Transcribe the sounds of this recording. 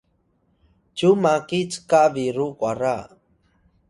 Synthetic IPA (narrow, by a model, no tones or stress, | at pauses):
t͡ʃumakit͡skaʔbiɾukwaɾa